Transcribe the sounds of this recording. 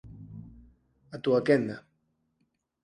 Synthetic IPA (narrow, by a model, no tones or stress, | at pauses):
at̪uakend̪a